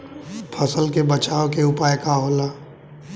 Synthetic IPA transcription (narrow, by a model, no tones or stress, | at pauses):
pʰəsəlkebɐt͡ʃaːokeʊpaːjkaɦoːlaː